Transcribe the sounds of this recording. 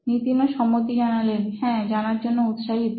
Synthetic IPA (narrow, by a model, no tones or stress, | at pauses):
nit̪inoʃɔmːot̪̬id͡ʑanalenɦɛ̃d͡ʑanaɾd͡ʑonːout̪ʃaɦit̪